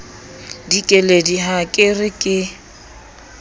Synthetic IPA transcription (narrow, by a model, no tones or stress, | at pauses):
dikʼɛlediɦakʼɪrɪkʼɪ